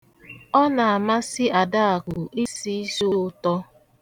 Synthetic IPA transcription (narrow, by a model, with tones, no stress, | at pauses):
ɔ˦na˨a˨ma˦sɪ˦a˨da˦a˨ɡʊ˨ʔi˦si˦i˦zo˦ʊ˦ʊ˦tɔ˦